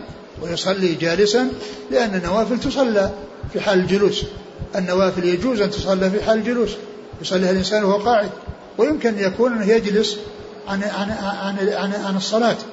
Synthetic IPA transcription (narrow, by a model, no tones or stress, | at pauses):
wɪjʊsˤɑlːid͡ʒaːlɪsanlɪʔanːanːawaːfɪlt̪ʊsˤɑlːifiħaːlɪld͡ʒʊluːs | ʔɪnːawaːfɪljad͡ʒuːzʔant̪ʊ̥sˤɑlːifiħaːlld͡ʒʊluːs | jʊsˤɑlːiːhalʔɪnsaːnhwaqɑːʕɪd̪̚ | wɪjɪmkɪnjakuːnʔɪnːɪhjad͡ʒlʊs | ʕanʕaʕanʕanʕanɨsˤːɑlɑːt̪